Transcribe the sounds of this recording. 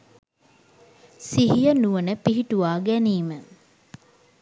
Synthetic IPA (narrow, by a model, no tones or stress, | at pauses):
siɦijənuʋənəpiɦiʈuʋaːɡæniːmə